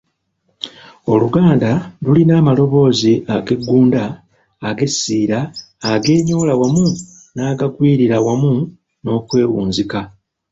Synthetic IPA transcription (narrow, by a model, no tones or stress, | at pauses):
o̞luɡaːndalulinaːmalo̞βo̞ːziaɡe̞ɡːuːndaː | ɡe̞siːɾaː | ɡe̞ːɲo̞ːlawamu | naːɡakwiːɾiɾawamu | no̞ːkwe̞ːwuːnzika